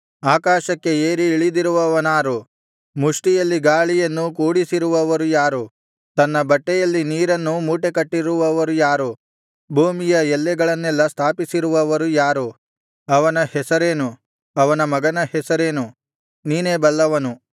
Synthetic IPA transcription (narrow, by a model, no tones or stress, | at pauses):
aːkaːʃɐkːe̞eːɾiːɭid̪iɾuʋɐʋɐnaːɾu | muʂʈijɐlːiɡaːɭijɐnːukuːɽisiɾuʋɐʋɐɾujaːɾu | t̪ɐnːɐbɐʈːɛjɐlːiniːɾɐnːumuːʈekɐʈːiɾuʋɐʋɐɾujaːɾu | bʱuːmijɐɛlːɛɡɐɭɐnːɛlːɐst̪ʰaːpisiɾuʋɐʋɐɾujaːɾu | ɐʋɐnɐhɛsɐɾeːnu | ɐʋɐnɐmɐɡɐnɐhɛsɐɾe̞ːnu | niːneːbɐlːɐʋɐnu